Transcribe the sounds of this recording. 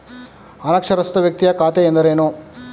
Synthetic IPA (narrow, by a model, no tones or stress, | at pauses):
ɐnɐkʂɐɾɐst̪ɐʋjɐk̚t̪ijɐkaːt̪ejend̪ɐɾeːnu